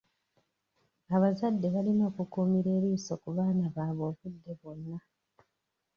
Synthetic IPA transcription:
aβazadːe̞βalino̞ːkukuːmiɾe̞ːɾiːso̞kuβaːnaβaːβo̞ːβudːe̞βo̞nːa

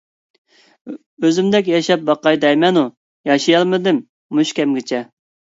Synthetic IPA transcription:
øzymd̪ɛk̬ʲjɑʃɛp̚bɑqɑjd̪ɛjmɛnu | jɑʃijɑlˠmɨd̪ɪmː | uʃkʲɛmɡʲɪt͡ʃʰɛ

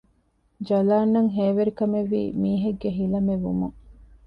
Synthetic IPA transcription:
d͡ʒɐlaːnːɐŋɦeːʋeɾikɐmeʋːḭːmiːɦeɡːeɦilɐmeʋumuŋ

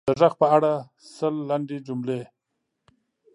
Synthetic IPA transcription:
d̪əʐax̚pəaɽa | səlːaɳɖed͡ʒumle

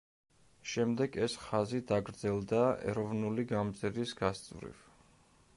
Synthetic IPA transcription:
ʃɛmd̪ɛɡɛsχazid̪aɡɾd̪zɛlˠd̪aɛ̰ɾɔvnuliɡamd̪zɛɾisɡ̥ast̪sʼvɾḭv

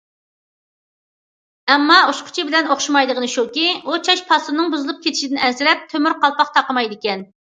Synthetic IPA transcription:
ɛmːɑoʃqʰʊ̥t͡ʃʰibɪlɛnoχʃumɑjd̪əʁənɨʃukʲiut͡ʃʰɑʃpʰɑsunɨŋbuzɨlˠup̚kʲʰet̪ʰɪ̥ʃid̪ɪnɛnsɪɾɛp̚t̪ʰømyɾqʰɑlˠpɑqt̪ʰɑqəmɑjd̪ɪkʲɛn

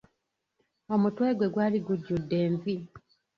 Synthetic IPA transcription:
o̞mutwe̞ːɡwe̞ɡwaːliɡuɟːudːe̞ːɱvi

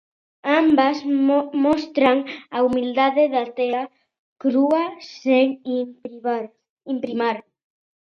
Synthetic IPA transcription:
ambasmɔst̪ɾaŋaumild̪aðeðat̪eɾa | kɾuaseŋ | impɾimaɾ

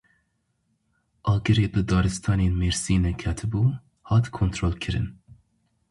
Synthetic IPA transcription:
ʔɑːɡəɾeːbɨd̪ɑːɾɨst̪ʰɑːneːnmeɾsiːnɨkʰæt̪ʰɨbuː | hɑːt̪kʰont̪ʰɾoːlkʰɨɾɨ̰n

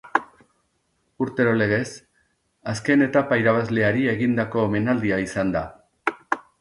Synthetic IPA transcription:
uɾt̪e̞ɾo̞le̞ɣ̞e̞s | aske̞ne̞t̪apaiɾaβ̞azle̞aɾie̞ɣind̪ako̞ːme̞nald̪iaisand̪a

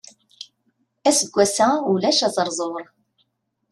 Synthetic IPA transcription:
æsəɡʷːæsæulæʃæzˤəɾˤzˤoɾˤ

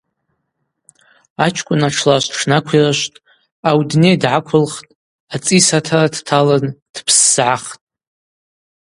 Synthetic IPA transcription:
at͡ʃʰkʷʼʊnaʈ͡ʂʰlaʃʷʈ͡ʂʰnakʷʰiraʃʷtʼ | awdnejdʕakʷʰʊlχtʼ | at͡sʼisatʰaradtʰaland̥pʰsz̥ʕaχtʼ

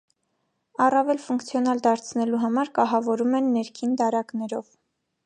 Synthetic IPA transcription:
ɑrɑvɛlfuŋkt͡sʰjɔnɑld̪ɑɾt͡sʰnɛluɦɑmɑɾkɑɦɑvɔɾumɛnːɛɾkʰind̪ɑɾɑknɛɾɔv

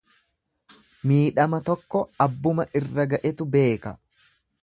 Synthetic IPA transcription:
miːᶑɐmɐt̪ɔkːɔɐbːʊmɐʔɪrːɐɡɐʔɛt̪ʊbe̞ːkɐ

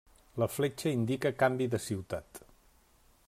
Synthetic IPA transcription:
ləflet͡ʃəind̪ikəkambiðəsiwt̪at̪

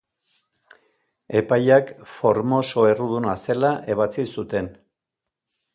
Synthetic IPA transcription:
e̞pajakfo̞ɾmo̞so̞e̞ruð̞unase̞laʔe̞β̞at͡sisut̪e̞n

